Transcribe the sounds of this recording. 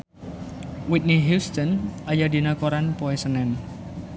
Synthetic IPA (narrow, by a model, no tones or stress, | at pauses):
wit̪̚niɦjust̪ɔnʔajad̪i̤nakoɾanpoɛsənɛn